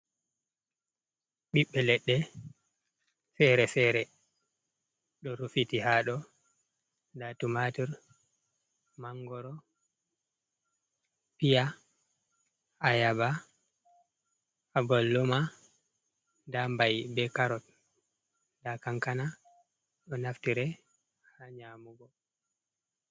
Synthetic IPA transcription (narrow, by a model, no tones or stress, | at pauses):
ɓiɓːɛlɛɗːɛ | fɛɾɛfɛɾɛ | ɗɔɾufitihaɗɔ | datumatiɾ | maŋɡɔɾɔ | pija | ajaba | aɡɔlːɔma | dambajbɛkaɾɔt | dakaŋkana | ɗɔnaftiɾɛ | haɲamuɡɔ